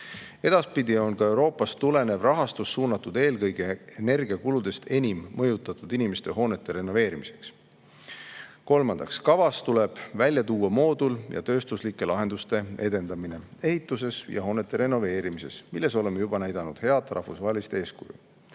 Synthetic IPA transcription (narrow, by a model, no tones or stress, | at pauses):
e̞d̪̥ɑspid̪io̞nkɑe̞wɾo̞ːpːˑɑst̪ule̞ne̞vrɑɦɑst̪usːuːnːɑt̪ːˑud̪̥e̞ːlkɤjɡe̞ene̞rɡ̥iɑkulud̪̥e̞st̪ʰe̞nʲimːɤjut̪ːˑɑt̪ːˑud̪̥inimest̪e̞ɦo̞ːne̞t̪ːe̞ɾe̞nːo̞ve̞ːɾimise̞̥ks | ko̞lmɑnd̪ɑkskɑvɑst̪ule̞b̥vælʲjɑt̪uːɑmo̞ːd̪uljɑ̰t̪øːst̪uslikːˑe̞lɑɦe̞nd̪ust̪e̞e̞d̪e̞nd̪̥ɑmine̞e̞hit̪ːˑus̬e̞sjɑ̰ɦo̞ːnet̪ːˑe̞ɾe̞nːo̞ve̞ːɾimise̞smilːe̞so̞lemːejub̥ɑnæjd̪̥ɑnud̪̥he̞ɑt̪ːˑrʔɑ̰hfusvɑɦelist̪e̞ːskṵjṵ